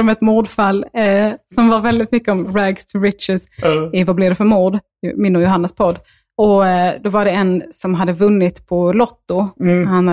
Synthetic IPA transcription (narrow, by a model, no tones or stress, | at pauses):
ɔmɛt̪muːɖfalːsɔmvaɾvɛld̪ɪt̪mʏkːəɔmɾæɡst̪ʰɪɾɪt̪ʃɪsvablɪd̪ɛfœɾmuːɖ | mɪnːʊːjʊɦanːaspʰɔd̪ː | ɔd̪ɔvaɖɛɛnsɔmɦad̪ːəvɵnːɪt̪pʰɔlɔt̪ːʊhan